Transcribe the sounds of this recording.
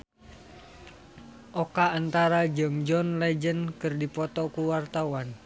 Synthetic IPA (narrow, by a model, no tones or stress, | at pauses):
ʔɔkaːnt̪aɾad͡ʒɨŋd͡ʒɔnlɛd͡ʒənkɨrdipɔt̪ɔkuwart̪awan